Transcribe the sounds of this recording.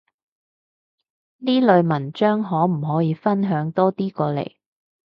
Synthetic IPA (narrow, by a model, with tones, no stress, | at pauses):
niː˥lɵ˨˧ɥmɐ˨˩nt͡ʃœː˥ŋɦɔː˨˥m̩˨˩ɦɔː˨˥jiː˨˧˥fɐ˥nɦœː˨˧˥ŋt̪ɔː˥t̪iː˥kɔː˧lḛ˨˩j